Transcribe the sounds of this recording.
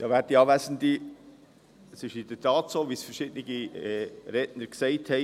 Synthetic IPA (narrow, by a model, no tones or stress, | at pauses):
d̥ɑːʋæːtiɑːvæsn̩d̪i | əsɪʃɪd̥ətʰɑːtsoːʋisfəɾʃɪd̥nɪɡiɛɾɛtnəɾksɛɪthɛɪ